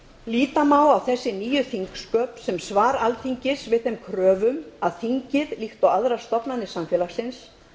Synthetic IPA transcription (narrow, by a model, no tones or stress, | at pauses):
liːt̪amaːwawθɛsːɪniːjʏθiŋkskœːpsɛmsvaːɾalθʰiɲcɪsvɪðθɛmkʰɾœːvʏmaðθiɲcɪðlixt̪awaðɾḁst̪ɔpnanːɪsamfjɛlasɪns